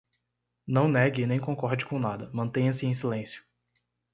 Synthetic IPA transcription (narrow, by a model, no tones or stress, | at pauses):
nɐ̃w̃nɛɡɪnẽj̃kõkɔɾd͡ʒɪkõnad̪ɐmɐ̃t̪ẽj̃ɐsɪẽj̃silẽsjʊ̥